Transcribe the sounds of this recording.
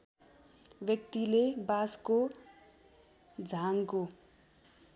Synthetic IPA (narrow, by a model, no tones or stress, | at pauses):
bjʌk̚t̪ilebasko | d͡zʱaŋko